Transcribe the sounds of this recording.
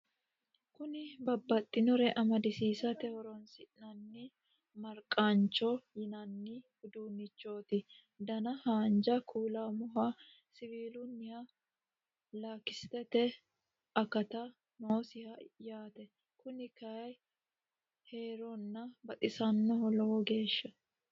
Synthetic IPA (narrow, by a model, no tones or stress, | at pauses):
kʊnɪbɐbːɐt̪ʼːɪnɔɾɛʔɐmɐd̪ɪsiːsɐt̪ɛhɔɾɔnsɪʔnɐnːɪ | mɐɾkʼaːnt͡ʃːɔjɪnɐnːihʊd̪uːnːɪt͡ʃːo̞ːt̪ɪ | d̪ɐnɐhaːnd͡ʒɐkʰuːlamʊɦa | sɪviːlʊnːɪhɐ | laːkɪst̪ɛt̪ɛ | ɐkːɐt̪ɐ | noːsɪhɐjaːt̪ɛ | kʊnɪkɐj | heːɾɔnːɐbɐt̪ʼɪsɐnːɔhɔlɔwɔɡe̞ːʃːɐ